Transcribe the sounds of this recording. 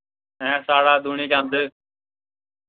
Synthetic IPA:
ɛ̃ːsaːɽaːd̪ʱuːɳiːd͡ʒãːnd̪eː

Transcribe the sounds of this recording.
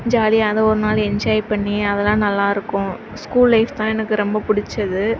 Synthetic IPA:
d͡ʒaːliɐðɐɔɾɯnaːlɛɲd͡ʒaːjpɐɳːiɐðɛlãːnɐlːaːɪɾɯkːʊ̃ | skuːlːɐɪft̪ãːɛnɐkːɯɾɔmbɐpʊɽɪt͡ʃːɐðɯ

